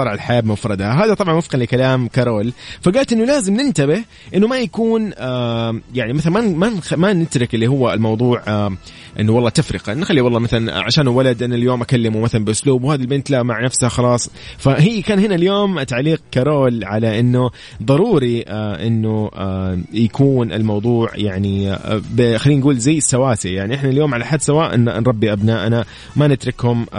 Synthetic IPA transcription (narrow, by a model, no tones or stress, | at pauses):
ɑːɾˤʕalħajaːbɪmʊfɾˤɑd̪haɦaːðat̪ˤɑbʕɑnwʊfqɪnlɪkalaːmkɑɾˤoːlfaɡaːlt̪ʔɪnːʊlaːzɪmnɪnt̪abɪh | ʔɪnːʊmajakuːnː | jaʕnimaθalmamamanɪt̪ɾɪkʔɪlːihʊwːalmɑwðˤuːʕa | ʔɪ̰nːʊwɑlˤːɑːt̪afɾɪqɑnːxalːiwɑlˤːɑːmaθalanʕa̰ʃaːnwalad̪ʔɪnːaljoːmʔakalːɪmumaθalanbɪʔʊsluːbwhaːðilbɪnt̪laʔmaʕnafshaxɑlɑːsˤ | faɦiːkaːnhɪnaljoːmʔat̪aʕliːq̚kaɾˤoːlʕalaʔɪnːʊ | ðˤɑɾˤuːɾiaʔɪnːʊ | jakʰuːnʔɪ̰lmɑwðˤuːʕjaʕnibxalːiːnɡuːlzajːɪsːawaːsijaʕniʔɪħnaljoːmʕalaħad̪ːsawaːʔɪ̰n̰nɾˤɑbːiʔabnaːʔana | manɪt̪ɾɪkhʊm